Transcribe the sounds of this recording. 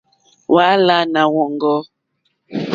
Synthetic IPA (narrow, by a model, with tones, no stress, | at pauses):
wa˨˦la˦na˨wɔ˨ŋɡɔ˦